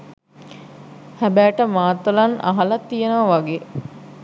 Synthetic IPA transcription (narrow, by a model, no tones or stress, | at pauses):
hæbæːʈəmaːt̪ːolana̰ɦalat̪ːijenəʋɐʋaɡeː